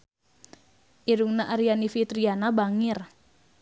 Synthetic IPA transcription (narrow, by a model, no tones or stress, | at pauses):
ʔiɾuŋnaʔaɾianifit̪ɾianabaŋɪr